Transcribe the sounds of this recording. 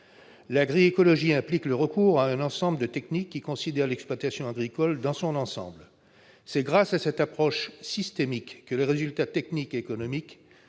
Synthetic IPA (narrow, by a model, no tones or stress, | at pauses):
laɡʁiekɔlɔʒiɛ̃plikləʁəkuʁaɛ̃nɑ̃sɑ̃bləd̪ət̪ɛknikːikɔ̃sid̪ɛʁlɛkspwat̪asjɔ̃aɡʁikɔld̪ɑ̃sɔ̃nɑ̃sɑ̰̃bl | sɛɡʁasasɛt̪apχɔʃsist̪emikːəleʁezylt̪at̪ɛknikeːkɔnɔmik